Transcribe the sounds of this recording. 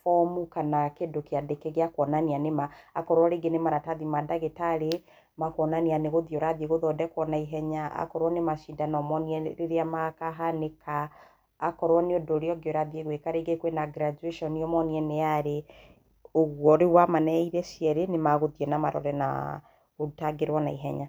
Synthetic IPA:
fɔmukanakedokejadekeɣeakwɔnanianemaːkɔɾwɔɾeɡenemaɾataðimadaɣetaɾe | makwɔnanianeɣoðiɔɾaðieɣoðɔdɛkwɔnaiɦɛɲaa̰kɔɾwɔnemaʃindanɔmɔniɛɾeɾeamakaɦanekaː | kɔɾwɔneodoːɾeɔɡeoɾaðieɣwekaɾeɡekwenaɡɾad͡ʒueʃɔniɔmɔniɛneaɾe | oɣwɔɾewamanɛiɾɛsiɛɾenemaɣoðiɛnamaɾɔ̰ɾɛna̰ | otaɡeɾwɔnaiɦɛ̰ɲa

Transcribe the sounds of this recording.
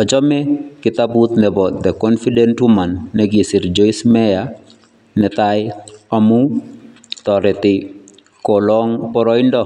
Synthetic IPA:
ɔd͡ʒɔmɛkɪt̪abut̪nɛbɔt̪d̪ɛkɔnfidɛntwumanːɛɡisiɾd͡ʒɔismɛja | nɛt̪ajamu | t̪ɔɾɛt̪ɪ | kɔlɔŋpɔɾɔindɔ

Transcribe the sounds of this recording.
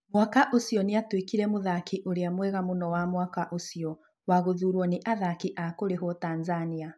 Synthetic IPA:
mwakaʔosiɔneatwekiɾɛmoðakiʔoɾeamwɛɣamonɔwamwakaʔosiɔ | waɣoðuːɾwɔneʔaðakiʔakoɾeɦɔtanzania

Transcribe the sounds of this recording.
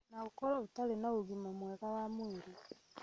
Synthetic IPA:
naukɔɾɔutalenauɣimomwɛɣawamweɾi

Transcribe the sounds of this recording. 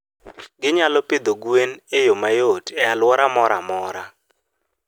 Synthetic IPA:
ɡɪɲalɔpɪd̪oɡwenejomajotɛalwɔɾamɔɾamɔɾa

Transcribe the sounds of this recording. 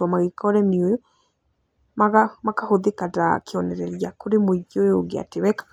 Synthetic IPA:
wamaɣekɔɾɛmiojo | maɣamakahoðekada̰kʰeɔnɛɾɛɾjakoɾemoiɣojoɡea̰teβɛkḁ

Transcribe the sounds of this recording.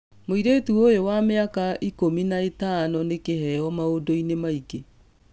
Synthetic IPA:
moiɾetuojowameakaʔikominaetanɔnekehɛɔmaodoinemaike

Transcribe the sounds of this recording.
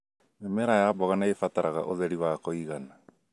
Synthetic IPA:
emeɾajaːbɔɣanaefataɾʔaɣa̰ʔoðɛɾiwakoiɣana

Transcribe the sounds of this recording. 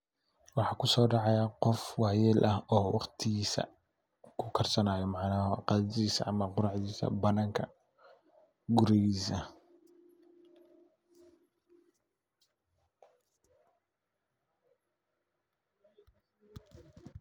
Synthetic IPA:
wɑħɑːkʰʊsɔːɖɑʕɑjaqɔfwɑːjɛlʔɐhɔːwɑqt̪ʰiːsɐ̰ | kʰʊkʰɐrsɐnaːjɔmɑʕnaːhqɑld̪iːsɐ̰ʔɐmɐqʊɾɑʕd̪iːsɐ̰bɐnaːŋkʰɐ | ɡʊɾɛisɐ

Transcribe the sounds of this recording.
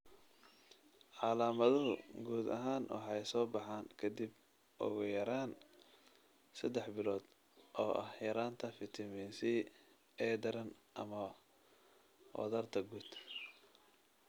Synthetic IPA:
ʕɑlaːmɐðʊɦʊɡuːd̪ɐ̰ɦaːnwɑ̰ħɑjsɔːbɑħaːnkʰɐd̪ib | ʔɔ̰ɣʊjɐɾaːn | sɐd̪ɛħbɪlɔːd̪̥ | ʔɔːʔɐhjɐɾaːnt̪ʰɐfɪt̪ʰɐmiːnsi | ɛd̪ɐɾɐnʔɐ̰mɐ | wɔ̰ðɐrt̪ʰɐɡuːd̪

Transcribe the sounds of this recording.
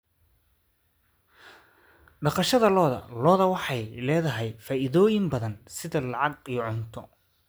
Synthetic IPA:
ɖɑqɑʃɐðɐlɔːðɐ̰lɔːðɐwɑħɑjlɛːðɐɦɛjfaːʔɪðɔːjɪmbɐðɐnsɪðɐlɑʕɑɡiʕʊnt̪ʰɔ

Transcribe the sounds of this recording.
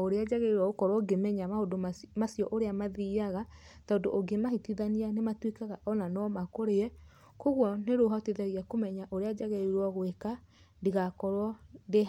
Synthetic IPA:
oɾead͡ʒaɣɛiɾwɔɣokɔɾwɔɡemɛɲamahodomasijɔʔoɾeamaðiaɣataodoʔoɡemahitiðanianematwekaɣaʔɔnanɔmakoɾeɛ | koɣwɔneɾoɦateðɛɣiakomɛɲaʔoɾead͡ʒaɣɛiɾwɔɣweka | ndiɣakɔɾwɔnde

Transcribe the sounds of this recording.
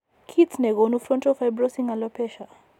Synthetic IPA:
kʰitsnɛɡɔnufɾɔntɔfajbɾɔsiŋalɔpɛʃa

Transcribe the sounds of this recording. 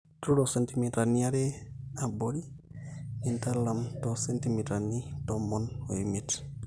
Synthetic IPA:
tuɾɔsentimitɾanijaɾɛaboɾi | nintalːamtɔsentimitɾanitɔmɔnoimit

